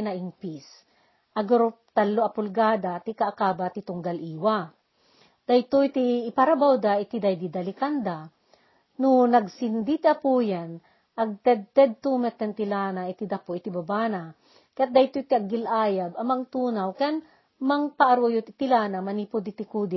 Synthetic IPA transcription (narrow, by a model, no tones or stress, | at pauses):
naʔiŋpis | ʔɐɡoɾo | t̪alːoɐpʊlɡaːd̪at̪ikaʔːkaːbat̪it̪ʊŋɡalʔiːwa | d̪̥ɐjt̪ojt̪iːpaɾabawd̪aɪt̪id̪ajd̪id̪ɐlɪkand̪a | nʊnɐɡsind̪it̪iapuːjan | ʔɐɡ̚t̪ɛd̪̚t̪ɛd̪̚t̪umɛt̪ːɛnt̪ilanaʔɪt̪id̪apoʔit̪ibabaːna | kɐjat̪̚d̪ɐjt̪ojt̪iɐɡɪlʔaːjabɐmɐŋt̪uːnawkɛan | mɐŋpaʔːɾojʊt̪ɪt̪ilaːnamɐnipod̪it̪ikuːd̪ɪ